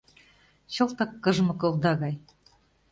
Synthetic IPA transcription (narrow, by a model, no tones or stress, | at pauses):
ɕɤ̆lt̪ɑkːɤ̆ʒ̆mɤ̆kŏlˠd̪ɑɣɑj